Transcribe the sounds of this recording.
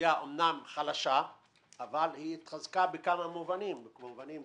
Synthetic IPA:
jaʔomnamχalaʃa | avalhiːt̪χazkabekamamuvanimbovanim

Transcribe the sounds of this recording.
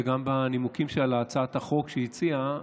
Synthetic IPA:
eɡambanimukimʃelaːt͡saat̪haχo̞kʃeit͡sia

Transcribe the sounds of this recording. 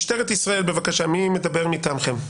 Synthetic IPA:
ʃteʁet̪isʁae̞lbevakaʃamime̞d̪abe̞ʁmit̪amχem

